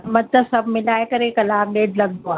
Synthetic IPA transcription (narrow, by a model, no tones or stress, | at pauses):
mɐt̪əsɐbʱmɪlaːekɐɾekɐlaːmɖeːʈlɐɡ̚d̪oaː